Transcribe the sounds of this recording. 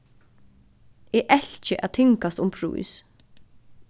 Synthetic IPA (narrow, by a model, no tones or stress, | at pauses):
ɛːʔɛl̥t͡ʃɪʔa̰ðt̪ʰɪŋkast̪ʊmpʰɾṵːḭs